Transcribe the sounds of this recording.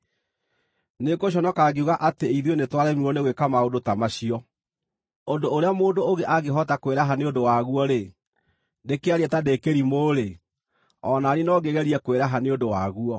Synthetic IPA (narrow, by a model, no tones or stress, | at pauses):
nekoɕ̬ɔnɔkaɡeuɣaʔateiðonetwaɾɛmiɔneɣwekamaodotamaɕiɔ | ondoːɾeamoːndooɣeʔaɡeɦɔtakoweɾaɦaneodowaɣuɔɾe | dekeaɾɛtadekeɾimoːɾe | ɔnaːɾenɔɡeɣɛɾiɛkoweɾaɦaneondowaɣuɔ